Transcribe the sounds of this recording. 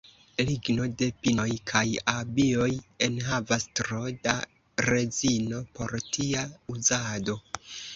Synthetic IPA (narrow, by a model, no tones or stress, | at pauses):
liɡno̞de̞pino̞jkʰajabio̞je̞nɦavastɾoda | ɾe̞zino̞po̞ɾtʰiauzado̞